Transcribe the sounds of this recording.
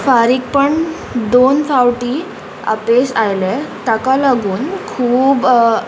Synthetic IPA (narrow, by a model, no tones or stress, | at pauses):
faɾiːk̚pəɳ | d̪onfawʈiː | a̰pesajlet̪akalaɡuːnkʰuːb